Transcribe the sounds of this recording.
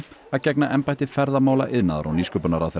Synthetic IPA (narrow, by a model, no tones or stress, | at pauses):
aðcɛknaʔɛmpajt̪ɪfɛɾðamaːwla̰ʔɪðnaːðaɾa̰wniːskœpʏnaɾawθɛ